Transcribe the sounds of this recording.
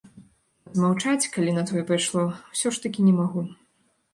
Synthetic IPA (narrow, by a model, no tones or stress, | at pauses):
ɐd̪mawt͡ʂat͡sʲkalʲinɐt̪ɔjɛpajʂlˠɔwsʲɔʂt̪ɐkʲinʲɛmaɣu